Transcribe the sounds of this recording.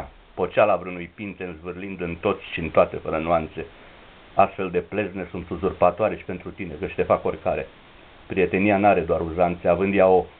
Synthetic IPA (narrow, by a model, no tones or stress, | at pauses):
po̞t͡ʃalabɾunujpint̪eɨnzvɨrlind̪ɨnt̪o̞t̪sʲʃiɨnt̪oat̪e̞fəɾənuant̪se̞ | ast̪fe̞ld̪e̞ple̞zne̞sunt̪uzurpat̪oaɾeʃi̥pe̞nt̪ɾut̪ine̞kəʃt̪e̞fako̞rʲkaɾe̞̰ | pɾie̞t̪e̞nijanaɾe̞d̪oaɾuzant̪seavɨnd̪jao